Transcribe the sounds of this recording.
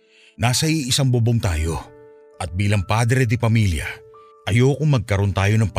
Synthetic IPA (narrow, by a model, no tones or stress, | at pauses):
naːsɐiʔɪsɐŋboboŋt̪aːjo̞ | ʔɐt̪̚biːlɐŋpaːd̪ɾɛd̪ɪpɐmiːljɐ̰ | ʔɐjoːkʊŋmɐɡ̚kɐɾo̞nt̪aːjo̞nɐŋp